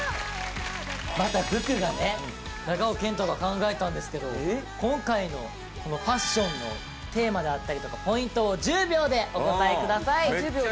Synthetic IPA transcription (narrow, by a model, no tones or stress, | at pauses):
mat̪abɯ̟kɯ̟ɡane̞ | naɡao̞kẽ̞nt̪oɡakãŋɡae̞t̪ãnd̪e̞sɨ̥ke̞d̪o̞̰kõ̞ŋkaino̞̰ | ko̞no̞ɸaɕːõ̞nːo̞̰ | t̪e̞ːmad̪e̞at̪ːaɾʲit̪o̞kapo̞ĩnt̪o̞ːd͡ʑɨːbʲo̞ːd̪e̞ʔo̞t̪ot̪aekɯ̟d̪asai